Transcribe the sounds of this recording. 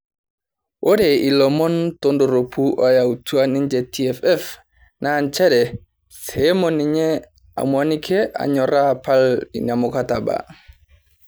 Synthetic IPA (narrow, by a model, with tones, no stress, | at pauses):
ʔo˦de˨i˨lɔ˨mɔ˦nto˦ndo˨ɾo˨pʰu˦ʔa˦ja˨wutu˦a˦ni˦nd͡ʒe˨ti˦ɛ˨fɛ˦f | nant͡ʃɛ˦ɾɛ˨ | se˦mɔniɲɛ˦ | a̰˨mwa˨ni˦kʰe˦ʔa̰˨ɲɔ˨ɾa˦palḭ˨ɲa˨mʊkataba̰˨